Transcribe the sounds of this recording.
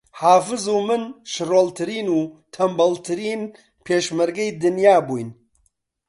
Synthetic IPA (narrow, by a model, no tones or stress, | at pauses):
haːfɨzumɨnʃɨroːlt̪ʰɨɾiːnuːt̪ʰɐmbɐlt̪ʰɨɾiːn | pʰeːʃmɐɾɡɛjd̪ɨnjaːbuːjn